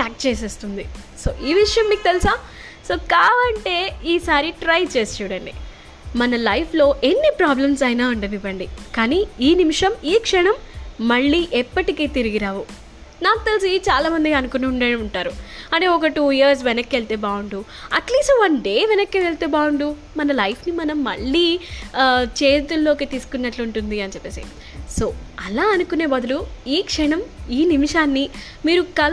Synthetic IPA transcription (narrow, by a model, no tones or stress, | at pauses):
ʈaːk̚t͡ʃeːseːst̪und̪i | soːʔiːʋiʂɐjɐmːiːkut̪elisaː | soːkaːʋɐɳʈe̞ːiːsaːɾiʈɾɐjt͡ʃeːst͡ʃuːɽɐɳɖi | mɐnɐlɐjpʰlo̞ːʔe̞nːipɾaːblɐmsɐjnaːuɳɖɐbibɐɳɖikaːniiːnimiʂɐmiːkʂɐɳɐmːɐɭːiːʔɛpːɐʈikeːt̪iɾiɡiɾaːʋu | naːkut̪elis̬it͡ʃaːlaːmɐnd̪iɐnukuniuɳɖɐniuɳʈaːɾuɐɳʈeːɔk̬ɐʈuːjiiɐɾs̬ʋenɐkːeɭt̪eːbaːwuɳɖu | ɐʈliːsʈʋɐnɖe̞ːʋɛnɐkːeːʋeɭt̪eːbaːwuɳɖu | mɐnɐlɐjpʰnimɐnɐmːɐ̰ɭːiː | t͡ʃe̞ːt̪ulːo̞ːket̪iːsu̥kunːɐʈluɳʈund̪iɐnt͡ʃɛpːeːsḭ | so̞ːɐlaːɐnukune̞ːbɐd̪ɐluiːkʂɛɳɐmiːnimiʂaːnːi | miːɾukɐl